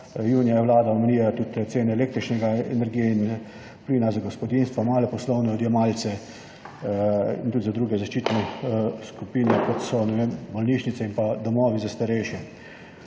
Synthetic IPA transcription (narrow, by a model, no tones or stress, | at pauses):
juːnijajɛʋlaːd̪aɔmɛniːlat̪ut̪t̪seːnɛleːk̚t̪ɾit͡ʃnɛɡaɛ̰nɛɾɡijɛin | pliːnazaɡɔspɔd̪inst̪ʋamaːlɛpɔslɔwnɛɔd̪jɛmalt̪sɛ | ḭnt̪ut̪zad̪ɾuːɡɛzaʃt͡ʃiːt̪nɛskupiːnɛkɔt̪sɔnɛʋeːmbɔlniːʃnit̪sɛimpad̪ɔmɔːʋizast̪aɾɛjʃɛ